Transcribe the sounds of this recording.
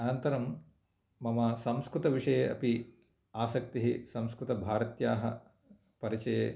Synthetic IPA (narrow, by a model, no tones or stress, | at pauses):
ɐnɐnt̪ɐɾɐmː | ɐmasɐmskɾut̪ɐʋiʂɐjeɐpi | aːsɐk̚t̪iɦisɐmskɾut̪ɐbʱaːɾɐt̪jaːɦɐ | pɐɾit͡ʃɐjeː